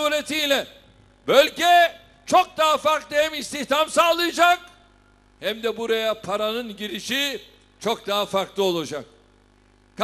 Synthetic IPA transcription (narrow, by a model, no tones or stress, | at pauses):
ulʲet̪ʰijlʲɛ | bølʲɟɛ | t͡ʃʰok̚d̪aɦafaɾklˠɯhɛmist̪içt̪ʰamsalˠɯjad͡ʒak̚ | hɛmd̪ɛbuɾajapʰaɾanɯnɟiɾiʃi | t͡ʃʰok̚d̪aɦafaɾklˠɯo̞lˠad͡ʒak̚ | kʰ